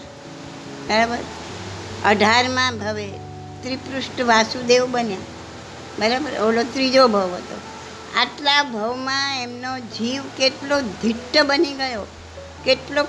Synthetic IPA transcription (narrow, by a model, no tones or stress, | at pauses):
bəɾabəɾ | əɖʱaɾmãbʱəʋe | t̪ɾipɾʊsʈʋasũd̪eʋbənjã | bəɾabəɾolot̪ɾid͡ʒobʱəʋɦət̪o̰ | a̰ʈlabʱəʋmãemnod͡ʒʱiʋkeʈlod̪ʱiʈːəbəniɡəjo | keʈlo